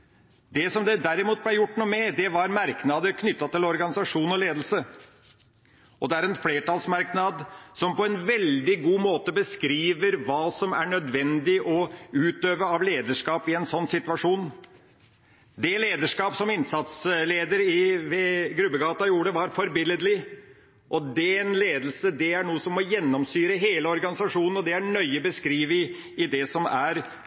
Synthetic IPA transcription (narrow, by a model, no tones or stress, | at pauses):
d̪ɛsɔmd̪ɛd̪æɾɪmuːt̪̚blæjʊʈːnuːmɛd̪ɛʋɑɾmɑɾknɑd̪əɾkʰnʏt̪ːɑt̪ʰɪlɔɾɡɑnɪsɑʂuːnɔleːd̪l̩sə | ʔɔd̪ɛæɾɛnfleːʈɑlsmɑɾknɑd̪sɔmpɔɛnʋɛld̪ɪɡuːmoːt̪əbəskɾiːʋəɾʋɑːsɔmæ̰ɳœd̪ʋɛnd̪ɪʔɔʉːt̪øːʋəɑʋleːd̪əʂkɑːpɪɛnsɔnːsɪt̪ʋɑʂuːn | d̪ɛleːd̪əʂkɑːpsɔmɪnsɑt̪sleːd̪əɾɪʋɛɡɾʉbːəɡɑːt̪ɑjuːɖəʋɑɾfɔɾbɪləd̪lɪ | ʔɔd̪ɛɛnleːd̪l̩səd̪ɛæɳuːəsɔmːɔjɛnːɔmsyːɾəɦeːləɔɾɡɑnɪsɑʂuːnən̩ɔd̪ɛæɳœʏəbəskɾiːʋə | ɪd̪ɛsɔmæɾ